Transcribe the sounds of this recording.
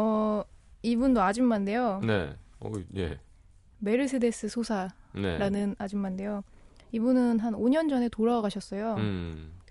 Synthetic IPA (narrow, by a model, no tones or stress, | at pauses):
ʌ | ibundoad͡ʑimmande̞jone̞̰ʌ̰jḛ | me̞ɾɯsʰɯde̞s͈ɯsʰosʰane̞̰ɾanɯnad͡ʑimmande̞jo | ibunɯnɦanoɲʌnd͡ʑʌne̞toɾaɡaɕʰʌs͈ʌjo